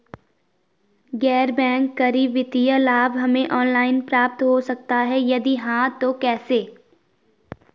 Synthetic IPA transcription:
ɡɛːɾbɛ̃ːŋkːɐɾiʋɪt̪ijəlaːbɦɐmẽʔɔːnlaːɪnpɾaːp̚t̪ɦosɐk̚t̪aɦɛjɐd̪iɦãt̪okɛːseː

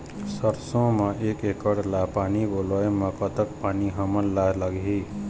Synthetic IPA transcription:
səɾsõmãʔekekəɽlapaːnibolɔeməkət̪əkpaːniɦəmənlaləɡi

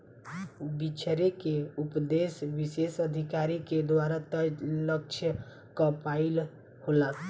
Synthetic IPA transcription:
bit͡ʃʰəɾekeupd̪esʋisesəd̪ʱikaɾiked̪waɾat̪ələk̚t͡ʃʰjə | kəpaɪl | hola

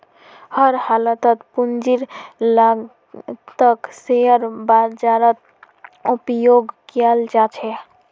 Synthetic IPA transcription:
həɾhalət̪ət̪pund͡ʒiɾla | t̪əkseəɾbad͡ʒaɾət̪̚ | upjoɡkiald͡ʒat͡ʃʰɛ

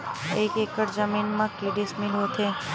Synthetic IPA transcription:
ekekəɾd͡ʒəminmãkeɽismilõt̪ʰe

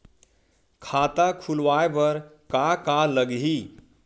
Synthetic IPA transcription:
kʰat̪akʰulʋaebəɾkakaləɡɦi

